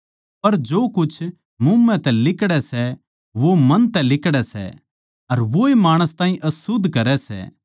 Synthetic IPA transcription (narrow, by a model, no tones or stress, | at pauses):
pɐɾd͡ʒoːkʊt͡ʃʰ | mʊmːɛ̃t̪ɛlɪkɽɛsɛ | ʋomɐnt̪ɛlɪkɽɛsɛ̰ | ɐɾʋoemaːɽ̃əst̪aːɦĩʔɐsʊd̪ʱkɐɾɛsɛ̰ː